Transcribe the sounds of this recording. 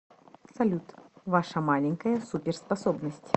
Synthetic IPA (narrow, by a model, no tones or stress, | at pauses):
sɐlʲut̪vaʂɐmalʲɪnʲkəjəsupʲɪrspɐsɔbnəsʲtʲ